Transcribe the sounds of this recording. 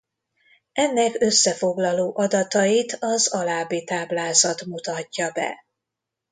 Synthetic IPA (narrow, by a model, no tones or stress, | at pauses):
ɛnːɛkø̞sːɛfo̞ɡlɒloːʔɒd̪ɒt̪ɒjit̪ɒzɒlaːbit̪aːblaːzɒt̪mut̪ɒcːɒbɛ̰